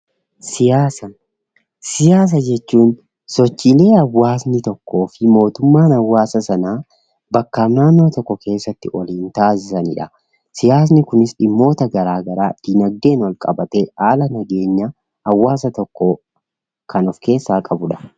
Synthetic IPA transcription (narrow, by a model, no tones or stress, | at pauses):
sɪjaːsɐ | sɪjaːs̬ɐd͡ʒɛt͡ʃːuːn | sɔt͡ʃːiːle̞ːɐwːaːsnɪt̪ɔkːo̞ːfɪmo̞ːt̪ʊmːaːnɐwːaːsɐsɐnaː | bɐkːaːnaːnːo̞ːt̪ɔkːɔkʰe̞ːsːɐt̪ːɪʔɔliːnt̪aːs̬ɪsɐnɪᶑɐ | sɪjaːs̬nɪkʊnɪsɪmːo̞ːt̪ɐɡɐɾaːɡɐɾaːd̪̥ɪnɐɡ̚d̪e̞ːnwɐlkʼɐbɐt̪ɛhaːlɐnɐɡe̞ːɲːɐ | ɐwːaːsɐt̪ɔkːo | kɐnɔfke̞ːsːaːkʼɐbʊᶑɐ̥